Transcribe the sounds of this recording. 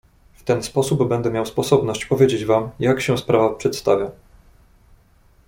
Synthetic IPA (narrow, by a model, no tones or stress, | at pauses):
ft̪ɛnspɔsubbɛnd̪ɛmʲjawspɔsɔbnɔɕt͡ɕpɔvʲjed͡ʑed͡ʑvamjakɕɛspɾavapʂɛt̪st̪avʲja